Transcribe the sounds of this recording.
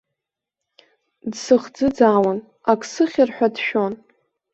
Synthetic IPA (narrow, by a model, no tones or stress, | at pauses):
dsɨχd͡zɨd͡zaːwan | akʰʼsɨχʲɪrħʷᶣadʃᶣon